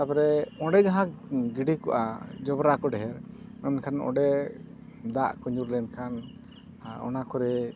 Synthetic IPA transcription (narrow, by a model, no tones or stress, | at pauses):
apɾɛɔ̃ɖɛɡaɦãɡiɖikɔ̰ʔa̰d͡ʒɔbɾakɔɖɛɦɛɾɛnkʰanɔ̰̃ɖɛ | d̪aʔkɔɲuɾlɛnkʰan | ɔ̰nakɔɾɛ